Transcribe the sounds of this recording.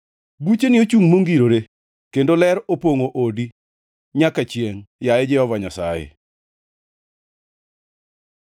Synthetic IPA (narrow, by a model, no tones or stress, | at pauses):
but͡ʃenɪot͡ʃuŋmoŋɡiɾoɾe | kendolɛɾopoŋoʔodi | ɲakat͡ʃjeŋjaɛd͡ʒɛhɔvaɲasajḛ